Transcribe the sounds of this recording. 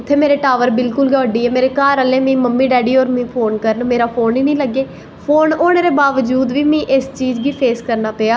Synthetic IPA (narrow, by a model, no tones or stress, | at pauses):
ʊt̪ʰːeːmeːɾeːʈaːʋəɾbɪlkʊlɡɔːɖiːɛːmeːɾeːkaːɾəlẽːmĩːməmːĩːɖɛːɖiːɔːɾmĩːpʰoːnkəɾənmeːɾaːpʰoːnĩːnĩːləɡeː | pʰoːnoːɳeːɾeːbaːʋəd͡ʒuːd̪ʋiːmĩːʔɪst͡ʃiːd͡ʒɡiːpʰeːskəɾnaːpeːaː